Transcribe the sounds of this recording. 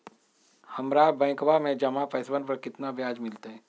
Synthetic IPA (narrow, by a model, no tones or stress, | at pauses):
hɐmɾaːbɛ̃ːkʋamẽd͡ʒɐmapɛːsbənpɐɾkɪt̪nabjaːd͡ʒmɪlt̪eɦɛ̃ː